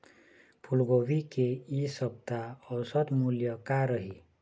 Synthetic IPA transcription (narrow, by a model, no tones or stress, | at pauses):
pʰulɡowikeisʌb̚t̪aɔwsət̪muljəkaɾəɦi